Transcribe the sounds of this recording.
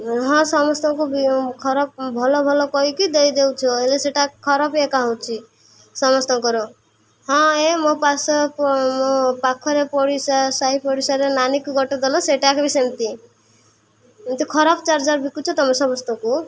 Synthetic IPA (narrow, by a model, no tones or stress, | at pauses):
ɦɔ̃sɔmɔst̪ɔkubikʰɔɾɔb̚bʱɔlɔbʱɔlɔkɔikid̪ejd̪ewt͡ʃʰɔeleseʈakkʰɔɾɔbekaɦɔwt͡ʃʰi | sɔmɔst̪ɔkɔɾɔ | ɦɔ̃emopasɔpmopakʰɔɾepɔɽisasaɦipɔɽisaɾenanikuɡʱɔʈɔd̪elɔseʈakbisent̪i | mt̪ikʰɔɾɔbt͡ʃaɾd͡ʒaɾbikut͡ʃʰɔt̪ɔmɔsɔmɔst̪ɔku